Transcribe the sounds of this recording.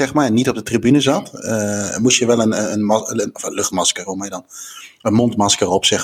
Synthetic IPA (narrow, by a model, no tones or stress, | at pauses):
ɛxmanitɔb̚dətribynəzatəmusjəʋɛlənəənəɔfənløxtmɑskəromajədɔnənmɔntmɑskərɔpsɛ